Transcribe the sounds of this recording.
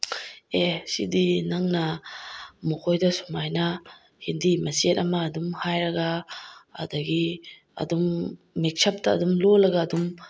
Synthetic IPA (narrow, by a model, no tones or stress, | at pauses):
esḭdinaŋnɐ | mukʰojdɐsumajnɐ | hindimɐsiet̚ɐmɐːdumhajɾɐɡa̰ː | dɐɡi | ɐ̰dumː | ek̚sʰɐp̚tɐ̰ːdumlolɐɡaːdum